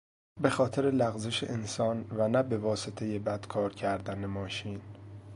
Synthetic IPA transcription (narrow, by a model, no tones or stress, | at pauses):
be̞xɒːt̪ʰe̞ɾe̞læɣzeʃḛʔensɒːnvænæbe̞vɒːset̪ʰe̞je̞bæd̪̥kʰɒːɾcʰæɾd̪ænemɒːʃiːn